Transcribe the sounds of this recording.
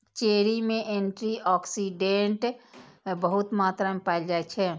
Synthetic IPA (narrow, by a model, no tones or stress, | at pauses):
t͡ʃeːɾimẽʔeɳʈɾiɔːksiɖẽɳʈ | bəɦʊt̪maːt̪ɾamẽpaɪld͡ʒaɛt͡ʃʰɛ